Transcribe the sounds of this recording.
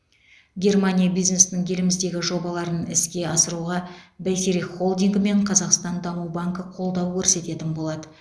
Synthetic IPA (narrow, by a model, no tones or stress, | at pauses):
ɡʲe̞rmanʲijabijzne̞snɪŋkʲʰe̞lɪmɪzd̪e̞ɡʲɪʒo̞bɑlˠɑɾənɪ̰skʲe̞ɑsəɾuʁɑbæjt̪eɾiχo̞lˠd̪iŋɡɪme̞ɴqʰɑzɑqst̪ɑnd̪ɑmuwbaŋkəqʰo̞lˠd̪ɑwkʲʰɵɾse̞t̪e̞t̪ɪnbo̞lˠɑd̪ə